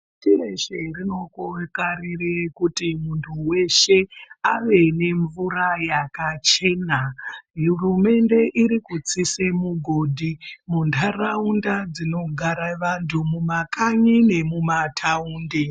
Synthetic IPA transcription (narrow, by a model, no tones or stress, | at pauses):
tiɾeʃerino̞koekarirekutimuntʰuwe̞ʃe̞aʋe̞ne̞ɱvuɾajakat͡ʃe̞najurume̞nde̞ʔiɾikut͡sisemuɡʱo̞dʱimuntʰaraundad͡zino̞ɡʱaɾaʋantʰumumakaɲine̞mumatʰauːnde